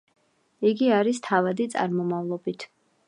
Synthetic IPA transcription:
iɡiaɾist̪ʰavad̪it̪sʼa̰ɾmɔmavlˠɔbit̪ʰ

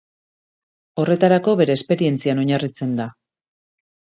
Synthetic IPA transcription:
o̞re̞t̪aɾako̞βe̞ɾe̞ːspe̞ɾie̞nt͡siano̞ɲarit͡se̞nd̪a

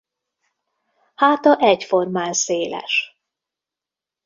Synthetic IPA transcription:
haːt̪ɒʔɛcformaːnseːlɛ̰ʃ

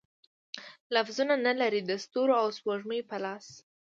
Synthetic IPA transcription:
lafzunanəlaɾid̪əst̪oɾoawspoʐməjpəlɑs

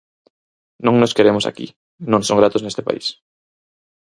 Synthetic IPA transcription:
nõŋnoskeɾemʊsa̰kḭ | nõŋsoŋɡɾat̪oznest̪ɪpa̰ḭs

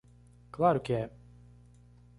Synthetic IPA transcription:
klˠaɾukʲɛ

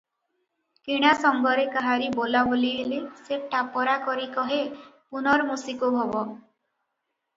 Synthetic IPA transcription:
keɽ̃asɔŋɡɔɾekaɦaɾibolaboliɦeleseʈapɔɾakɔɾikɔɦepunɔɾmusikubʱɔbɔ

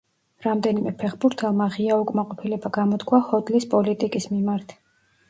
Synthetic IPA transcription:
ɾamd̪ɛnimɛpʰɛχbuɾt̪ʰɛlˠmaʁiaukʼmaqʼɔpʰilɛbaɡamɔd̪kʰwaχɔd̪lispʼɔlit̪ʼikʼismimaɾt̪ʰ

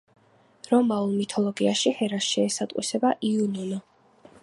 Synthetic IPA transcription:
ɾɔmaulˠmit̪ʰɔlˠɔɡiaʃihɛɾasʃɛːsat̪ʼqʼwḭsɛbaʔiununɔ

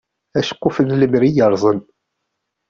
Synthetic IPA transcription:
æʃə̥kʷːufəðləmɾijəɾˤzˤən

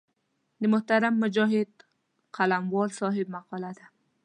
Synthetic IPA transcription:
lɪmʊht̪aɾamːʊd͡ʒɒɦɪd̪ | qʰalamwɒlsɒɦɪb̚maqɒlad̪ɪ

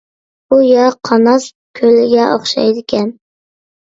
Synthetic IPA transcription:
ujɑqʰɑnɑs | kʲʰølɪɡʲɛʔoχʃɑ̰jd̪ɪkʲʰɛn

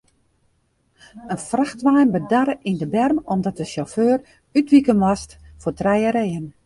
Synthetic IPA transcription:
ənfraxtʋaːnbədaɾəʔindəbɛrmɔmdɔt̚dəʃoføːr | ytʋikənʋɔstfotrɛjəɾeːən

